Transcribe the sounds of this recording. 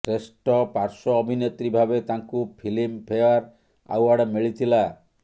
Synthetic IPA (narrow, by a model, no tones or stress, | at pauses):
ʈɾesʈɔpaɾsɔːbʱinet̪ɾibʱabet̪aŋkupʰilimpʰeaɾ | a̰waɽmiɭit̪ʰila